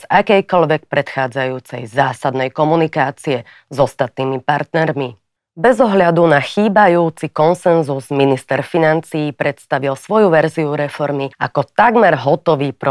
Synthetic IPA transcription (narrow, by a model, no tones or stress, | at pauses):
zakɛjkɔlʋɛk̚pɾɛt̪xaːd͡zajuːt͡sɛ̰jzaːsad̪nɛjkɔmunikaːt͡siɛ | zɔst̪at̪niːmipaɾt̪nɛɾmi | bɛzɔɦʎad̪unaxiːbajuːt͡sikɔnsɛnzuzminist̪ɛɾfinant͡siːpɾɛt̪st̪aʋilsʋɔjuʋɛɾziuɾɛfɔɾmiakɔt̪aɡmɛɾɦɔt̪ɔʋiːpɾɔ